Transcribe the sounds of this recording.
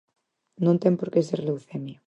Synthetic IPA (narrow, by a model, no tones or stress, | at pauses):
nõnt̪ɛmpoɾkeseɾlewθemio